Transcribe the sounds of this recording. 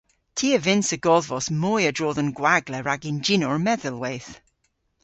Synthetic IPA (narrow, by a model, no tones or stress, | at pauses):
tʰiːəvɪnsəɡɔðvɔsmɔjədɹɔːðənɡwaɡlɛɹaɡɪnd͡ʒinɔɹmɛðəlˠwejθ